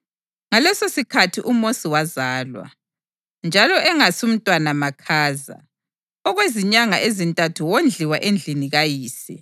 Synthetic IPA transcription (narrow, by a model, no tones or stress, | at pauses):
ŋalɛsosikʰatʰiʔumosiwazaːlwa̰ | nd͡ʒʱalɔʔɛŋasum̩tʼwanamakʰaːza̰ | ɔɣweziɲaŋaʔezintʼatʰuwond͡ɮʱiwaʔend͡ɮʱiniɣajiːsi